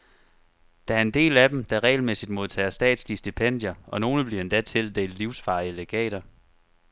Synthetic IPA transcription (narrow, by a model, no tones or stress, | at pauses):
d̥ææɐe̝nd̥e̝̰ːlæd̥emd̥æ̈ʁɛ̰ːɪlmesid̥mo̝ð̞ˠt͡sʰɛ̰ːɐsd̥ɛ̰ːd̥sliəsd̥ipʰen̰d̥jɐɒ̽no̝ːnəb̥liɐe̝nd̥æt͡sʰe̝ld̥e̝l̥liʊsfɑ̈ːiəleɡ̥ɛ̰ːɾ̥ɐ